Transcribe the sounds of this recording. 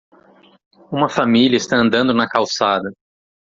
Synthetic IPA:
ũmɐfamiliɐɪst̪aɐ̃nd̪ɐ̃nd̪ʊnɐkawsad̪ɐ

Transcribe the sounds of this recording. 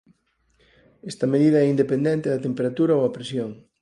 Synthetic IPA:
ɛst̪ɐmeð̞iðɐɛind̪epend̪ɛnt̪eðɐt̪empeɾat̪uɾɐoɐpɾesjoŋ

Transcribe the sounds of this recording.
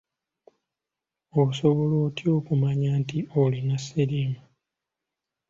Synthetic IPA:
oso̞βo̞loːtio̞ːkumaɲaːntiʔolinaseɾiːma

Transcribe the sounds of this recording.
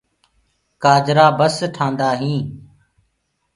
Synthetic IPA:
kaːd͡ʒɾaːbəsʈʰãːnd̪aːɦĩː

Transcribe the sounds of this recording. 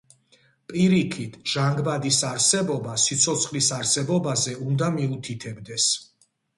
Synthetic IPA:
pʼiɾikʰit̪ʰʒ̥aŋɡbad̪isaɾsɛbɔbasit̪sʰɔt̪sʰχlisaɾsɛbɔbazɛund̪amiut̪ʰit̪ʰɛbd̪ɛs

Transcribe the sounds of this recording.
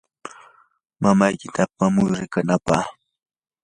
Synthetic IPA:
mamajkɪt̪ʰapamʊjɾɪkanapa̰h

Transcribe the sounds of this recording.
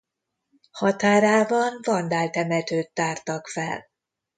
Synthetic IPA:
hɒt̪aːɾaːbɒnvɒnd̪aːlt̪ɛmɛt̪øːt̪ːaːrt̪ɒkfɛ̰l

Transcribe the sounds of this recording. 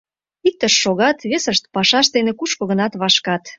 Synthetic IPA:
ik̚t̪əʃːoɣɑt̪βesəʃt̪pɑʃɑʃd̪enekuʃkŏɣənɑt̪βɑʃkɑt̪

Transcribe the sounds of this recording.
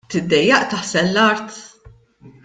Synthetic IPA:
t̪ɪd̪ːɛjːɐʔt̪ɐħsɛlːɐɾt̪

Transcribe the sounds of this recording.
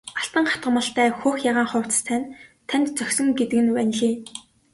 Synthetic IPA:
aɬt̪ə̆ŋχat̪ɢə̆mə̆ɬt̪ʰæːxoːxjaʁaːŋχʊːw̥ʰt͡s̆st̪ʰæːnt̪ʰænʲt̪t͡sœxʲsɵ̆ŋɡet̪ɘ̆kɘ̆nwænɮiː

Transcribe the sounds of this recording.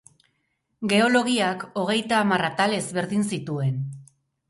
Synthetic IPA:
ɡe̞o̞lo̞ɣ̞iako̞ɣ̞e̞jt̪aːmarat̪ale̞zβe̞ɾðinsit̪ue̞n

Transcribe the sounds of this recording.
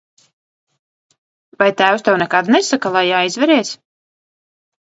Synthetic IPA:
vajt̪æːwst̪ɛwnɛkad̪nɛsakalˠajaːizvɛɾɛːs

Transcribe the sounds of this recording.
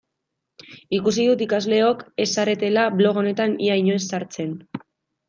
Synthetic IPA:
ikusiðut̪ikazle̞o̞ke̞saɾe̞t̪e̞laβlo̞ɣ̞o̞ne̞t̪aniajɲoesːaɾt͡se̞n

